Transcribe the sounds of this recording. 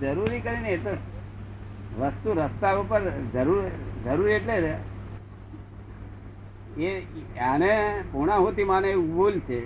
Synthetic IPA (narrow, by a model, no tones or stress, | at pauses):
d͡ʒəɾuɾikəɾineet̪o | ʋəst̪uɾəst̪aʋupəɾd͡ʒəɾuɾd͡ʒəɾuɾieʈlee | eanepuɽ̃ãɦot̪imanebult͡ʃʰe